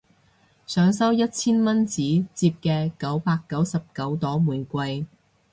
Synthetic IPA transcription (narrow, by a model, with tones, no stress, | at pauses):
sœː˨˥ŋsɐ˥wjɐ˥t̚t͡sʰiː˥nmɐ˥nt͡siː˨˥t͡siː˧p̚kɛː˧kɐ˨˥wpaː˧kːɐ˨˥wsɐ˨p̚kɐ˨˥wt̪ɔː˨˥muː˨˩jkʷɐ˧j